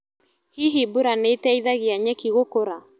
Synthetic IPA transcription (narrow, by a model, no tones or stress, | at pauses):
hiɦibuɾaneːtɛiðaɣeaɲɛkiɣokoɾa